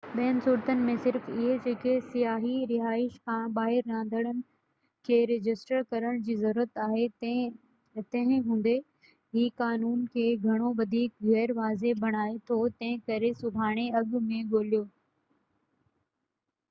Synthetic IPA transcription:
ɓɛːɪnsʊɽt̪ənɪ̆mẽsɪɾfɪɦed͡ʑeːkesijaːɦiɾɪɦaːɪʃkʰãːɓaːɦɪɾːãːnd̪əɽ̃ənɪ̆ | kʰeːɾɪd͡ʑɪsʈəɾkɐɾəɽ̃d͡ʑiːzɐɾuːɾət̪aːɦe | t̪ɐ̃ɦɪ̃ɦũːn̆d̪e | ɦiːkaːnuːnkʰeːɡʱɐɽ̃oʋɐd̪ʱiːk̚ɣɛːɾʋaːzebʱɐɽ̃aːet̪ʰot̪ɐ̃ɦɪ̃kɐɾesʊbʱaːɽ̃eɐɡmẽɠoːlijoː

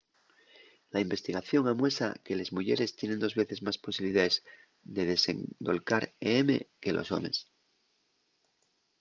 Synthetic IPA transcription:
laimbe̞st̪iɣaθjo̞ŋamwe̞sa̰ke̞lezmuʝeɾe̞st̪je̞nend̪o̞zβe̞θe̞zmaspo̞siβliðaez | d̪e̞ðe̞se̞̰ŋd̪o̞lkaɾeeme̞̰ke̞lʔo̞̰so̞̰me̞s

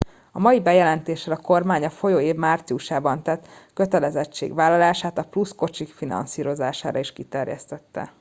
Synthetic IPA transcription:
ɒmɒjibɛjɛlɛnt̪eːʃɛlɒko̞rmaːɲɒfo̞joːeːvmaːrt̪siuʃaːbɒnt̪ɛt̪ːkø̞t̪ɛlɛzɛt͡ʃːḛːɡʋaːlːɒlaːʃaːt̪ɒplusko̞t͡ʃikfinɒ̰nsiːɾo̞za̰ːʃa̰ːɾɒiʃkit̪ɛrjɛ̰st̪ɛt̪ːɛ̰

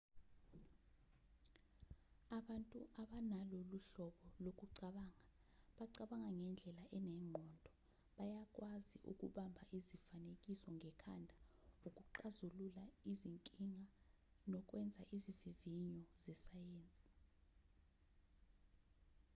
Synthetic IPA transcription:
aɓantʼuʔaɓanaloluɬɔɓɔlok̬ʼuǀaɓaːŋa | ɓaǀaɓaŋaŋɛnd͡ɮʱɛlaʔɛnɛŋ͡ǃʱɔndʱɔ | ɓajak̬ʼwʔaziʔṵk̬ʼṵɓambʱaʔizifanekʼisɔŋʱɛkʰa̰ndʱaukʼuǃazululaiziŋkʼiŋa | nɔk̬ʼwɛnd͡zʱaʔiziviviɲɔzɛsajeːnt͡sʼi̥

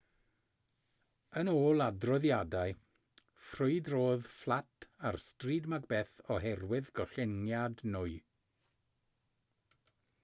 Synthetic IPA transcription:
ənoːlˠadrɔðjadaɨ | frʊɨdroːðflˠatʰarstriːdmaɡbeːθɔɦɛrwɪðɡɔɬɪnjadnʊɨ

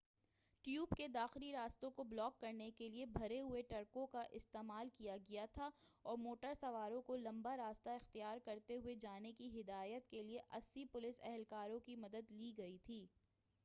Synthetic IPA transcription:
ʈjuːbked̪aːxɪliɾaːst̪õkoblɔːkːɐɾnekeliebʱɐɾeɦʊeʈɐɾkõkaʔɪst̪eːmaːlkijaɡɐjat̪ʰaɔːɾmoːʈəɾsɐʋaːɾõkolɐ̃mbaɾaːst̪aɪxt̪ijaːɾkɐɾt̪eɦʊed͡ʒaːnekiɦɪd̪aːjət̪kelieʔɐsːipʊlɪsɛ̰ɦɛlkaːɾõkimɐd̪əd̪liːɡɐit̪ʰiː

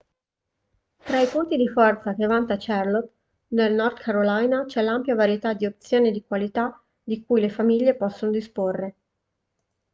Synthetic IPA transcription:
t̪ɾaipunt̪id̪ifɔrt̪sak̟evant̪at͡ʃɛrlot̪̚ | nelnɔrd̪kʰaɾolajnat͡ʃɛlampjavaɾjet̪ad̪iop̚t̪sjoːned̪ikwalit̪a | d̪ikujlefamiʎːepɔsːonod̪isporːe

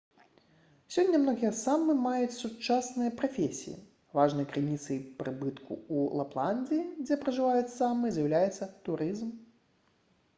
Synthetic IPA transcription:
sʲɔnʲːɐmnɔɣʲijɐsamːɨmajut͡sʲsut͡ʂasnɨjɐpɾafʲesʲḭjḭ | vaʐnɨjɐkɾɨnʲit̪sɨjpɾɨbɨt̪kʰṵulˠaplˠanʲd͡zʲiːd͡zʲɛpɾɐʐɨvajut͡sʲsamːɨzjɐwlʲajɛt̪sːɐt̪uɾɨzm

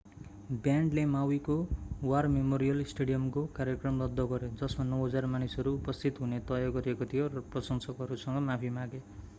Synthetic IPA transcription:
bjaɳɖlemawikowarmemoɾijʌlsʈeɽijʌmkokaɾjekrʌmlʌd̪ʱːʌɡʌɾjod͡zʌsmanʌwɦʌd͡zarmanisɦʌɾuːpʌst̪ʰit̪ɦunet̪ʌjʌɡʌɾiekot̪ʰijorʌprʌsʌnsʌkɦʌɾusʌŋɡʌmapʰimãɡe

